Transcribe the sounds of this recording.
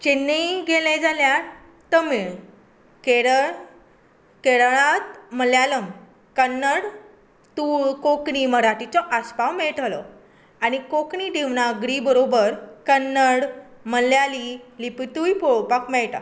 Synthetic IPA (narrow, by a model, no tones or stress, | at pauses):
t͡ɕenːəjɡelẽd͡zalja | t̪əmiɭ | keɽə | keɽɭat̪məljaləm | kənːəɽ | t̪uɭkokɳiməɾaʈit͡sɔʔaspawmeɭʈlɔ̰ | añikokɳid̪iʋnaɡɽibəɾobəɾkənːəɽ | məljalilipit̪ujpoɭpakmeɭʈa̰